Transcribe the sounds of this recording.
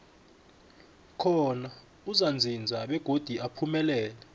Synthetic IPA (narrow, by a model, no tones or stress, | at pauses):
kʰɔna | uzand͡zʱind͡zʱaɓɛɡ̥ʱod̥ʱiʔapʰumɛlɛːlɛ